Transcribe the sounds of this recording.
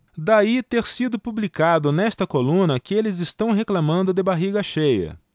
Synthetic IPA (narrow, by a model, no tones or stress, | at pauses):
d̪ait̪eɾsid̪ʊpublikad̪ʊnɛst̪ɐkolũnɐkɪelɪzɪst̪ɐ̃w̃ɦeklamɐ̃nd̪ʊd̪ɪbaɦiɡɐʃejɐ̰